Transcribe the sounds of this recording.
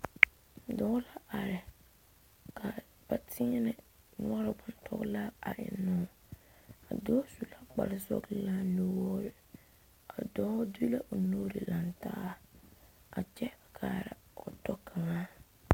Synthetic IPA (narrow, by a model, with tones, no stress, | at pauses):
dɔː˦la˦ʔa˨ɾɪ˨ | kʰa˨ | b̥a˨tʰɪ˦ɛ˦nɪ˨ | nʊ˦ɔ˦ɾɪ˨bʊ˨n˦tʰɔ̰˦ɣla˦a˨ʔɪ̰˨nɔ˦˨ | a̰˨dɔː˦su˨la˦k͡pa̰˨lɪ˦sɔ̰˦ɡla˦no˦wɔː˦ɾɪ˨ | a˨dɔː˦du˦la˦ʔʊ˨no˦ɾi˨la˨nta̰ː˦ | a̰˨t͡ʃɛ˦a˨kʰa˨ɾɪ̰˨ | ɔ˨tɔ˦kʰa˨ŋaː˦